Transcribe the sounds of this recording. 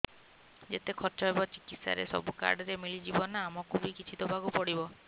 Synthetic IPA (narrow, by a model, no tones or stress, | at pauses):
d͡ʒet̪ekʰɔɾt͡ʃɔɦebɔt͡ʃikit̪sa̰ɾḛsɔ̰buka̰ɾɖɔɾemilid͡ʒibɔnaːmɔkʰubikit͡ʃʰit̪ɔbʱaɡupɔɽibɔ